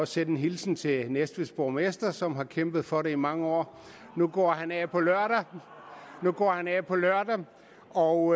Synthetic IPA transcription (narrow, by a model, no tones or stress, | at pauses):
ɒ̽senn̩ɦilsn̩t͡sʰe̝nesd̥ʋisb̥omesd̥ɐsɒ̽mɦɑ̈kʰem̰b̥ð̩ˠfɒ̽ɾe̝imɑ̈ŋəɒ̰ː | nuɡ̥ɒ̰ːhænɛpʰɒ̽lɶɐ̰ɾ̥æ | nuɡ̥ɒ̰ːhænɛpʰɒ̽lɶɐ̰d̥æ | ɒʊ